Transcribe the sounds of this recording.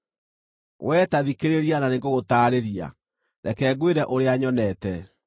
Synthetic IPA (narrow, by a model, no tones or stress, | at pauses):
wʔɛːtaðikeɾeɾiananeŋɡoɣotaːɾeɾia̰ | nɛkɛːɡweɾɛʔoɾeaɲɔnɛtɛ